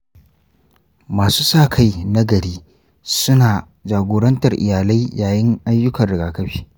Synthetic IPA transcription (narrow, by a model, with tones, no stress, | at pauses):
maː˨suː˦saː˦˨kʰa˦jna˦ɡɐ˨ɽiː˦ | sʊ˦naː˨ | d͡ʒaː˨ɡʷoː˨ɽɐ˦ntɐ˨rʔɪ̰˨jaː˨la˦jjaː˨jɪ˦ŋʔa˦jːʊ˦kɐ˨rɽɪ˨ɡaː˨kɐ˦ɸiː˦